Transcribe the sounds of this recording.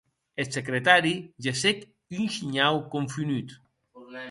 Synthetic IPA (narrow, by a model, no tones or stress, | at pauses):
esekɾet̪aɾiʒesek | ynʃiɲawkoɱfynyt̪